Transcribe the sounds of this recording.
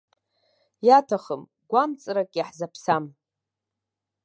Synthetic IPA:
jatʰaχəm | ɡʷamt͡sʼɾakʼjaħzapʰsam

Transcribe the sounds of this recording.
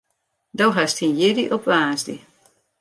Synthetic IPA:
dowɦastinjɪdiʔɔpʋaːzdḭ

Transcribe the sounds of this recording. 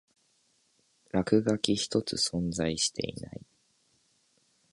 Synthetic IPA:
ɾakɯ̟ɡakʲiçi̥t̪o̞t͡sɨsõ̞nd͡zaiɕi̥t̪ʰe̞̰ḭna̰i

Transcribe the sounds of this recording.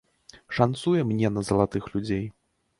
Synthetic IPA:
ʂant̪sujɛmnʲɛnɐzɐlˠat̪ɨxlʲud͡zʲej

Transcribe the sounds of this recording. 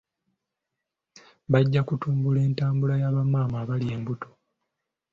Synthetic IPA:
βaɟːakutuːmbule̞ːntaːmbulajaːβamaːmaːβalie̞ːmbuto

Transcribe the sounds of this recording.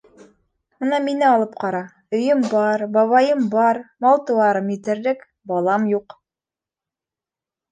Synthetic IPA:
ɤnɑminɘɑlˠɤp̚qɑɾɑ | ɵ̆jɵmbɑɾbɑβɑjɤmbɑɾmɑlˠt̪ɤ̆wɑɾɤmjɘ̆t̪ɘ̆ɾðɘk | bɑlˠɑmjuq

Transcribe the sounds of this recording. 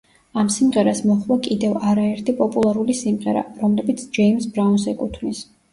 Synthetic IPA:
amsimʁɛɾasmɔχwakʼid̪ɛvaɾaɛɾt̪ʰipʼɔpʼulˠaɾulisimʁɛ̰ɾa̰ɾɔmlɛbit̪sʰd͡ʒɛimsbɾauns̬ɛkʼut̪ʰvnis

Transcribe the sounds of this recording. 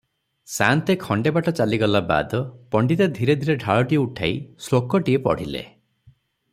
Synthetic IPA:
sant̪ekʰɔɳɖebaʈɔt͡ʃaliɡɔlaba̰d̪ɔpɔɳɖit̪ad̪ʱiɾed̪ʱiɾeɖʱaɭɔʈieuʈʰa̰islokɔʈiepɔ̰ɽ̤ilḛ

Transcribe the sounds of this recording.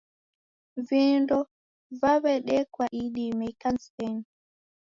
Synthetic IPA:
viːndɔ | vaβɛɗɛkwaʔiɗimɛjkansɛn

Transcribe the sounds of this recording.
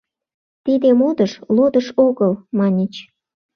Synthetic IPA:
t̪id̪emod̪əʃlod̪əʃoɣəlmɑnʲit͡ɕ

